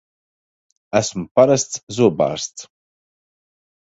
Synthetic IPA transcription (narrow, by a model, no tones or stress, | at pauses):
æsmpaɾast̪szuɔba̰ːɾst̪s